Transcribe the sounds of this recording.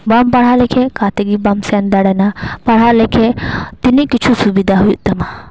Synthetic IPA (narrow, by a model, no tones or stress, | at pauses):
bampɐɽ̤alekʰekat̪eɡibamsɛnd̪ɐɽɐnapɐɽ̤alekʰet̪inikit͡ʃʰusubid̪aɦujuʔt̪ɐma